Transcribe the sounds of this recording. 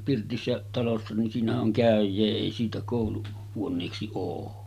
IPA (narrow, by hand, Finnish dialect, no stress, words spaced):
pirtisːæ tɑlosːɑ nin siːnæhæʔ ʔoŋ kæˑøjˑeː eˑi siːtæ koˑulu huonˑeːksi oː